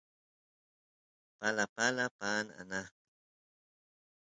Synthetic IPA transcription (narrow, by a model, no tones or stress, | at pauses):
palapalapaːna̰naχkɪ̥